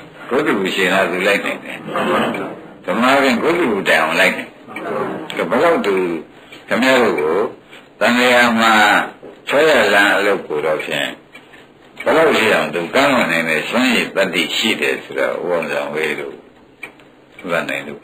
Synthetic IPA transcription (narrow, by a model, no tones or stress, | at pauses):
ɡ̥od̪ubuʃẽnat̪ulaɪʔnãɪ̃ndɛ̰ | d̥əmapʰjɪ̃ɡod̪ubutãʔãlaɪʔnãnkbəlaʊʔ̪̚t̪u | kʰəmjaɾo̰ɡot̪ãndejam̥atʰɛjalãʔəloʊkːoɾɔpʰjɪ̰̃ | b̥əlaʊʔʃḭʔãʊ̃nt̪̬ukãŋwɔ̃nãɪ̃ndɛsãjep̪at̪ːḭʃḭdɛ̰sʰoɾɔ̰ʔṵwõzãweɾo̰ | ut̪ãnãɪ̃nd̪ṵ